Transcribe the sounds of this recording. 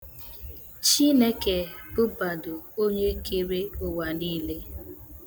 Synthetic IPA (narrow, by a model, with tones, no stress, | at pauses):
t͡ʃi˦ne˦ke˨bʊ˦ba˨dʊ˨o˦ɲe˦ke˦ɾe˦ʊ˦wa˨niː˦le˦